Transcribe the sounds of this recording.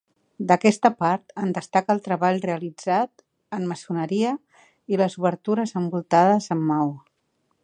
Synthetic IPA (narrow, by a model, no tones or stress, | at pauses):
d̪əkɛst̪əpaɾt̪ənd̪əst̪akəːlˠt̪ɾəβaʎreəlid͡zat̪ | əmməsunəɾiə | iləzuβəɾt̪uɾəzəmbulˠt̪að̞əzəmːaw